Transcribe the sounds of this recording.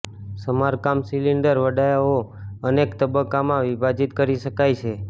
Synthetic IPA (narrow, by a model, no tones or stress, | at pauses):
səmaɾkamsiliɳɖəɾʋəɖajaoənekt̪əbəkːamãʋibʱad͡ʒit̪kəɾiʃəkajt͡ʃʰe